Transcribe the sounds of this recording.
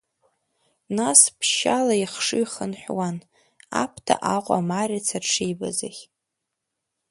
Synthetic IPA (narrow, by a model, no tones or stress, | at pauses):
naspʰʃalaiχʂɨχənħʷᶣwan | apʰtʰa̰ʔaqʷʼa̰marʲat͡sʰaʈ͡ʂʰejba̰zaχʲ